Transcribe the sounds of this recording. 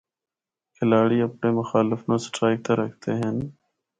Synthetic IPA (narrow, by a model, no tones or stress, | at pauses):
kʰɪlaːɽiːəpɳeːmʊxaːlɪfnõːsʈɾaːɪk̚t̪ãːɾəkʰt̪eːɦən